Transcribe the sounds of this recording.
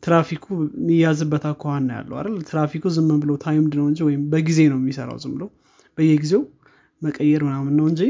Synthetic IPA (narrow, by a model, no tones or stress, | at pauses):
t̪ʰɨɾafikʰumijazɨbːət̪ʰakʰːohanːəja̰lːə̰wa̰ɾalt̪ʰɨɾafikʰuzɨmːənbɨləwt̪ʰajmɨnd̪ɨnəwɨɲd͡ʒiwɔjɪmbəɡize̞nəwjɛmːisəɾa̰wzɨmbɨləw | b̥əjːɛɡize̞w | məkʼəjːɛɾmɨnamɨnːəwɨnd͡ʒi